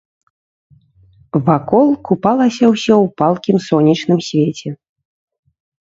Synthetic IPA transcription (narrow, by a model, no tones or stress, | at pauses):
vakɔlˠkupalˠɐsʲɐwsʲɔwpalˠkʲimsɔnʲit͡ʂnɨmsʲvʲet͡sʲɛ